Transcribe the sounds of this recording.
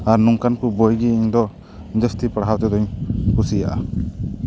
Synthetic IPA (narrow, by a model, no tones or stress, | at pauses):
aɾnuŋkankubojɡiiɲd̪ɔ | d͡ʒəst̪ipəɽawt̪ɛd̪ɔɲkusija̰ʔa